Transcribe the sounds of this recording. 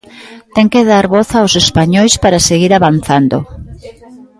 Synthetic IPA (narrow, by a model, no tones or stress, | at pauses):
t̪ɛŋkeðaɾβoθawsespaɲojspaɾaseɣiɾaβan̟θand̪o̰